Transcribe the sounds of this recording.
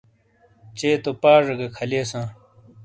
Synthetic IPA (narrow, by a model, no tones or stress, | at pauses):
t͡ɕeːt̪opaːʐɐɡɐkʰɐleːsãː